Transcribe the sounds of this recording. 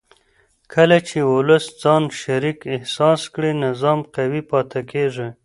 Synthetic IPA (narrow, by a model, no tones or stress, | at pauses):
kʰəlat͡ʃeʊləsd͡zɑnʃaɾikɪhsɑskɽinɪzɑmqawipɑt̪ʰakeʐe